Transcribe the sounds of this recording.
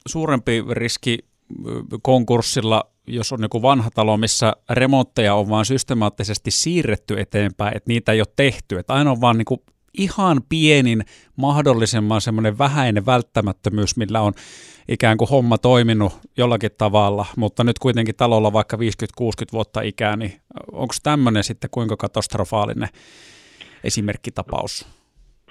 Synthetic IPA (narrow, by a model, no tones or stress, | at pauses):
suːrempiriski | koŋkursːilːɑ | josonniŋkuʋɑnhɑt̪ɑlomisːæremont̪ːejɑoʋʋɑːnsyst̪emɑːt̪ːisest̪issiːrːet̪ːyet̪eːmpæˑiʔḛt̪niːt̪æeˑijot̪t̪eht̪yet̪ɑinoʋʋɑːnniːŋku | ihɑnpienin | mɑhdolːisemːɑnsemːoneʋʋæhæineʋælt̪ːæmæt̪ːømyːsmilːæon | ʔikæːŋkuhomːɑt̪oiminujolːɑkit̪t̪ɑʋɑlːɑmut̪ːɑnyt̪kuit̪eŋkitt̪ɑlolːɑʋɑikːɑʋiːskyt̪kuːskyt̪ʋuot̪ːɑʔikæːnio̰ŋkst̪æmːønensit̪ːekuiŋkɑkɑt̪ɑst̪rofɑːlḭnḛ | ʔḛsimerkːit̪ɑpɑ̰us